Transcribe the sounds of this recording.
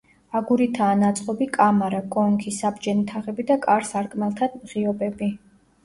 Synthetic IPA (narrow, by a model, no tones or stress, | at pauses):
aɡuɾit̪ʰaːnat̪sʼqʼɔbikʼamaɾakʼɔŋkʰisabd͡ʒɛnit̪ʰaʁɛbid̪akʼaɾsaɾkʼmalˠt̪ʰad̪mʁiɔbɛbi